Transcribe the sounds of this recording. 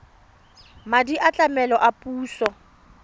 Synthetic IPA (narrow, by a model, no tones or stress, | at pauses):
madiʔat͡ɬʼamɛlɔʔapʼuːsɔ